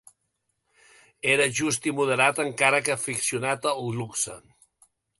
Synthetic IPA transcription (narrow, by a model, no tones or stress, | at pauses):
eɾəʒust̪imuð̞əɾat̪əŋkaɾək̬əfiksiunat̪əuluksə̰